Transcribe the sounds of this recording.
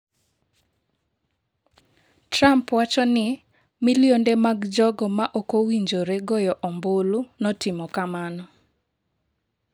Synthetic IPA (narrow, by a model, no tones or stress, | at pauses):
tɾampwat͡ʃɔnɪ | miliondemaɡd͡ʒɔɡɔmaʔokowiɲd͡ʒoɾeɡɔjɔʔɔmbolunɔtɪmɔkamanɔ